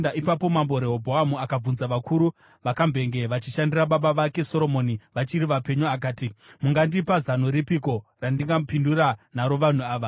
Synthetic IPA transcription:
aʔipapo̞mambo̞ɾeɦobʱoamuakab͡vunzaʋakʰuɾu | ʋakambʱe̞ŋɡe̞ʋat͡ʃiʃandiraɓaɓaʋake̞so̞ɾo̞mo̞niʋat͡ʃiɾiʋape̞ɲuak̬aːtimuŋɡandipazanoɾipiko̞randiŋɡaupinduranaɾo̞ʋan̤uaːʋa

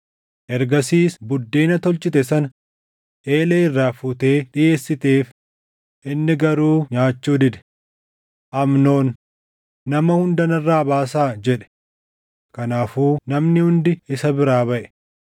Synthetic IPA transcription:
ʔɛɾɡɐsiːsbʊd̪ːeːnɐt̪ɔlt͡ʃɪt̪ɛsɐnɐ | ʔe̞ːleːɪrːaːfʊt̪e̞ːᶑɪje̞ːsːɪt̪eːf | ʔɪnːɪɡɐɾuːɲaːt͡ʃːuːd̪ɪd̪ɛ̥ | ʔɐmno̞ːnː | ɐmɐhʊnd̪ɐnɐrːaːbaːsaːd͡ʒɛᶑɛ̥ | kɐnaːfuːnɐmnɪhʊnd̪ɪɪsɐbɪɾaːbɐʔɛ̥

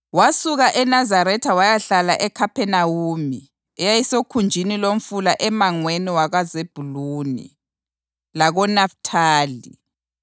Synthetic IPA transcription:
wasuɣaʔɛnazaɾɛtʰawajaɬalaʔɛkʰapʰɛnawumi | ɛjajisokʰund͡ʒʱinilom̩fulaʔɛmaŋweniwaɣazeb̥ʱuluːnḭ | laɣɔnaftʰaːlḭ

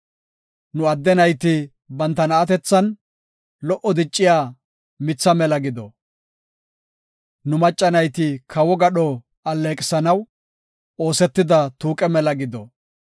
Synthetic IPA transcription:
nʊɐd̪ːɛnɐjt̪ɪ | bɐnt̪ːɐnɐːt̪ɛt͡sːɐn | lɔʔɔd̪ɪt͡ʃʼːɪjaː | mɪt͡sːɐmɛlɐɡɪd̪ɔ̰ | nʊmɐt͡ʃʼːɐnɐjt̪ɪkʰɐwɔɡɐɗɔ | ɐlːeːkʼɪsɐnɐw | oːsɛt̪ːɪd̪ɐt̪uːkʼɛmɛlɐɡɪd̪ɔ

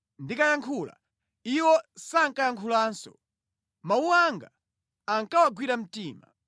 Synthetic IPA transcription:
ndikajaŋkʰula̰ | iwɔsaŋkajaŋkʰulaːnsɔ̰ | mauaŋɡaː | ŋkawaɡwiɾam̩tiːma̰

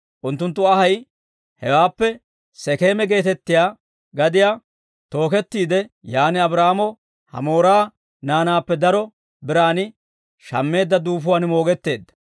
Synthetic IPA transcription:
ʔʊnt̪ːʊnt̪ːʊɐɦɐj | hɛwaːpːɛ | sɛke̞ːmɛɡe̞ːt̪ɛt̪ːɪjaː | ɡɐd̪ɪjaː | t̪o̞ːkɛt̪ːiːd̪ɛjaːnɪɐbɾaːmɔ | hɐ̰mo̞ːɾaː | naːnaːpːɛd̪ɐɾɔ | bɪɾaːnɪ | ʃɐ̰mːe̞ːd̪ːɐd̪uːfʊwaːnmo̞ːɡɛt̪ːe̞ːd̪ːɐ̥

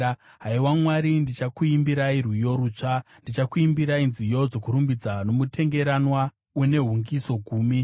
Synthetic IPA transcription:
ɦaiwamwaɾindit͡ʃakuimbiɾairwijo̞ɾut͡ʂa | ndit͡ʃakuimbiɾainzijo̞d͡zo̞kuɾumbid͡zano̞mutʰe̞ŋɡe̞ɾanwa | une̞ɦuŋɡiso̞ɡʱuːmi

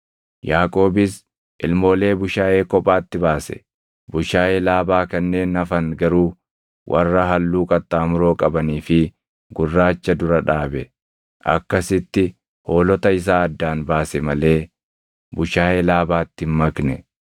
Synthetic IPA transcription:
jaːkʼo̞ːbɪs | ʔɪlmo̞ːle̞ːbʊʃaːʔe̞ːkɔpʼːaːt̪ːɪbaːsɛ̰ | bʊʃaːeːlaːbaːkɐnːe̞ːnɐfɐŋɡɐɾuː | wʔɐ̰rːɐɦɐlːuːkʼɐt̪ːaːmʊɾo̞ːkʼɐbɐniːfɪ | ɡʊrːaːt͡ʃːɐd̪ʊɾɐᶑaːbɛ | ʔɐ̰kːɐsɪt̪ːɪ | ho̞ːlɔt̪ɐɪs̬aːɐd̪ːaːnbaːsɛmɐle̞ː | bʊʃaːjeːlaːbaːt̪ːɪmmːɐknɛ

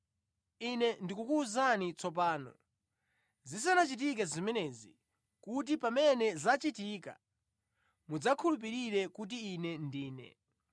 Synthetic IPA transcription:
inɛndikukuːzanit͡sɔp̬aːnɔ̰ | zis̬anat͡ʃit̬ik̬ɛzimɛnɛzi | kut̬ipamɛnɛzat͡ʃitiːka̰ | mud͡zakʰulup̬iɾiɾɛkut̬iːnɛndiːnɛ̰

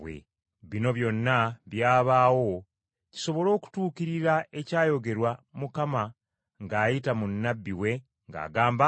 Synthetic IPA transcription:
wḛ | βino̞βjo̞nːaβjaːβaːwo̞ | ci̥so̞βo̞lo̞ːku̥tuːkiɾiɾae̞caːjo̞ɡe̞ɾwamukama | ŋɡaːjitamunːabːiwe̞ | ŋɡa̰ːɡaːmba

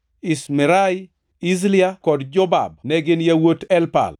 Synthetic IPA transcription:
ismɪɾaj | izliakɔdd͡ʒɔba̰b̚nɛɡɪnjawotɛlpa̰l

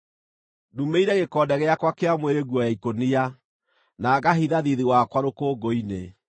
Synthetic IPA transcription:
dumeiɾɛɣekɔːdɛɣɛakwakeamweɾeɣwɔjaikonia | naːɣaɦiðaðiðiwakwaɾokoːɡoine

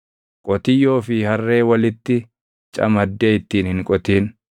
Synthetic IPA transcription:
kʼɔt̪ɪjːo̞ːfɪhɐrːe̞ːwɐlɪt̪ːɪ | t͡ʃʼɐ̰mɐd̪ːeːɪt̪ːiːnhɪŋkʼɔt̪iːn

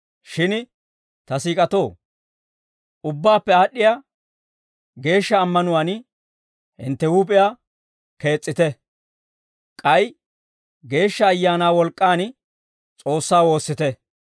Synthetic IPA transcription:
ʃɪn | t̪ɐsiːkʼɐt̪o̞ː | ʊbːaːpːɛaːɗːɪja | ɡe̞ːʃːɐːmːɐnʊwaːn | hɪ̰nt̪ːɛwuːpʼɪjaː | ke̞ːt͡sʼːɪt̪ɛ | kʼɐj | ɡe̞ːʃːɐːjːaːnaːwɔlkʼːaːn | t͡sʼo̞ːsːaːwo̞ːsːɪt̪ɛ

